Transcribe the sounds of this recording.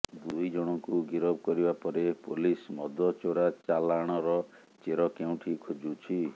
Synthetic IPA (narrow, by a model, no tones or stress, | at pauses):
d̪ujd͡ʒɔɽ̃ɔŋkuɡiɾɔb̚kɔɾibapɔɾepolismɔd̪ɔt͡ʃoɾat͡ʃalaɽ̃ɔɾɔ | t͡ʃeɾɔkew̃ʈʰikʰod͡ʒut͡ʃʰi